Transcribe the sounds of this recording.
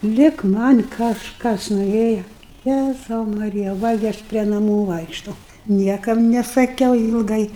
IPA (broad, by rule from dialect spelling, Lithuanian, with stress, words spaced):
ˈlʲɪk ˈmɐnʲ kɐʃˈkɐs noːˈrʲeːjɛ ˈjæzɐʊ mɐˈrʲɪjɛ ˈʋɐ ɡʲɪ ˈɐʃ pʲrʲiɛ nɐˈmuː ˈʋɐɪkʃtɐʊ ˈnʲiɛkɐm nʲɛsɐˈkʲɛʊ ɪlˠˈɡɐɪ